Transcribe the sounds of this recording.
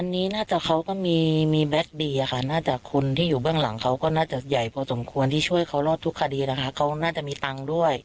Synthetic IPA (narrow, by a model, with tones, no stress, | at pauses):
ʔa˧nːiː˦˥naː˥˩t͡ɕa˨˩kʰa˦˥wkɔː˥˩miː˧miː˧bɛ˦˥k̚diː˧ʔa˨˩kʰa˥˩naː˥˩t͡ɕa˨˩kʰu˧nt̪ʰiː˥˩juː˨˩bɯ˥˩əŋla̰˩˦ŋkʰa˦˥wkɔː˥˩naː˥˩t͡ɕa˨˩ja˨˩jpʰɔː˧so˨˩˦mkʰu˧ənt̪ʰiː˥˩t͡ɕʰu˥˩əjkʰa˦˥wlɔː˥˩t̪ʰːu˦˥kʰːa˧diː˧na˦˥kʰa˦˥kʰa˦˥wnaː˥˩t͡ɕa˨˩miː˧t̪a˧ŋdu˥˩əj